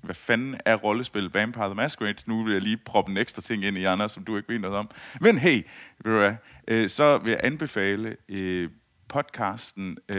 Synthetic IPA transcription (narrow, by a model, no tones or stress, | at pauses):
ʋæfænæɐʁɒ̽ləsb̥e̝l̰ð̩ˠʋɛnpʰɑ̈ːðˠɐmæsɡ̥ʁed̥nuʋe̝jɑ̈ɪliːpʰʁɒ̽b̥ən̩eɡ̥sd̥ʁɐt͡sʰe̝ŋ̰e̝n̰iɑ̈ndʁɐsɒ̽md̥ue̝ɡ̥əʋe̝ːd̥nɔ̽ːðˠɒ̽m̰menɦeɪ̰ʋeduæʔøsɒ̽ʋe̝jɑ̈ʔænb̥e̝fɛ̰ːlə | pʰɒ̽d̥kʰɑ̈ːsd̥n̩